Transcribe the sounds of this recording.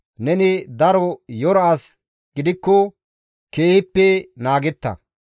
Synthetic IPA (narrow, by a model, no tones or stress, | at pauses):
nɛnɪd̪ɐɾɔjɔɾas | ɡ̥ɪd̪ɪkːɔ | keːhɪpːɛnaːɡɛt̪ːɐ̰